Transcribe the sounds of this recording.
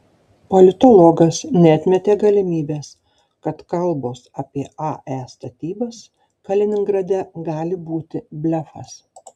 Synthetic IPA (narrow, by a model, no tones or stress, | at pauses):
pɔlʲɪt̪ɔlˠɔːɡɐsnʲɛɐt̪ʲmʲɛt̪ʲeːɡɐlʲɪmʲiːbʲeːs | kɐt̪kɐlˠboːsɐpʲiɛɑʔæst̪ɐt̪ʲiːbɐs | kɐlʲɪnʲɪŋɡɾɐd̪ʲɛɡɑːlʲɪbuːt̪ʲɪbʲlʲɛfɐs